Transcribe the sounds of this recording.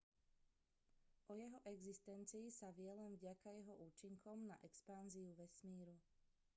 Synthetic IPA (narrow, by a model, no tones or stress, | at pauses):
ʔɔjɛɦɔʔɛɡzist̪ɛnt͡siːsaʋɪɛlɛnvɟakajɛɦɔʔuːt͡ʃiŋkɔmna̰ʔɛkspanziuʋɛsmiːɾu